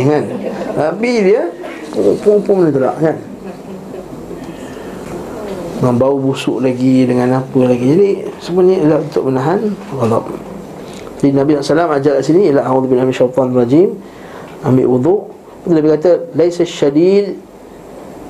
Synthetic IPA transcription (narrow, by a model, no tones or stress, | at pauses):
kannabidiə | puŋpʊŋpʊŋmənət̪əla̰ʔkan | ŋambaubusʊ̰ʔlaɡidəŋãnapəlaɡid͡ʒadisəmənɲilahunt̪ʊ̰ʔmənaɦanɣɑd̪ˤɑ̰p̚ | d͡ʒadinabisɔʔsalamad͡ʒalaʔsiniilawðbinamiʃawt̪ˤɑnarˤɑd͡ʒim | ambɪ̰ʔwud̪ˤuʔ | t̪ulabikat̪əlajsaʃːadid̪